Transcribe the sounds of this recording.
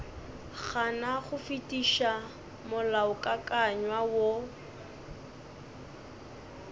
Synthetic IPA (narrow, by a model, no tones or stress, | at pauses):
ɣanaχʊfitʼiʃa | mʊlaʊkʼakʼaɲwawo